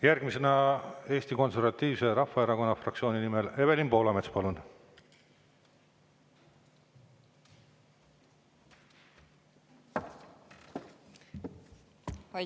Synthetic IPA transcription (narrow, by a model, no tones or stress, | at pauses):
jærɡ̥mise̞nɑe̞ːst̪iko̞nse̞rvɑt̪ːiːvse̞ɾɑfːɑeɾɑɡo̞nːɑfrɑktsioːninimele̞βe̞limpo̞ːlɑmet̪spɑlun